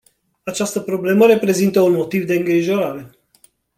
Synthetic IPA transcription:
at͡ʃast̪əpɾo̞ble̞məɾe̞pɾe̞zint̪əunmo̞t̪ivd̪e̞ɨŋɡɾiʒo̞ɾaɾe̞

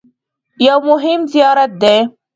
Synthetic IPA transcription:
jawmʊɦɪmzijɑːɾat̪̚d̪e

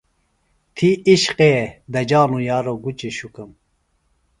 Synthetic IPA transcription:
t̪ʰiiɕqed̪ɐd͡ʒɑːnujɑːɾoɡut͡ʃeɕukɨm

